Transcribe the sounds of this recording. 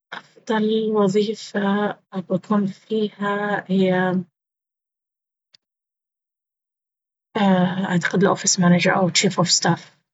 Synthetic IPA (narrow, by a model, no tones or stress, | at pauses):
ʔɑfd̪ˤɑlwɑðˤiːfabakuːnfiːhahɪjːa | ʔaʕt̪ḁqɪd̪lʔofɪsmanad͡ʒaɾʔa̰wt͡ʃːiːfʔofst̪aːf